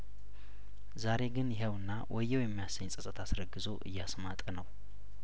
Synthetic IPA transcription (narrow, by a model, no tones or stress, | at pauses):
zaɾe̞ɡɨnjɪɦəwɨnːawʔɔjːɛwjɛmːijasəɲːsʼət̪ʼət̪ʰasɾəɡɨzoʔɨ̰jːɛasmat̪ʼənəw